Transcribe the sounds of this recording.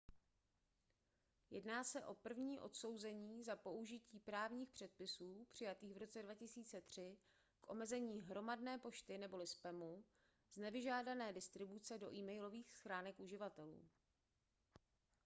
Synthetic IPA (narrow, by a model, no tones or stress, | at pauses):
jɛ̰dnaːsɛʔo̞pr̩vɲiːʔo̞̰t̪so̞wzɛɲiːzapo̞ʔuʒɪciːpɾaːvɲiːxpr̝̥ɛt̪̚pɪsuːpr̥ɪjat̪iːɣvɾo̞t͡sɛdvacɪsiːt͡sɛt̪r̝̥ɪ | kʔo̞̰mɛzɛɲiːɦɾo̞madnɛːpo̞ʃt̪ɪnɛbo̞lɪspɛmu | znɛvɪʒaːdanɛːdɪst̪ɾɪbut͡sɛdo̞ʔiːmɛjlo̞viːxsxɾaːnɛkʔuʒɪvat̪ɛlṵː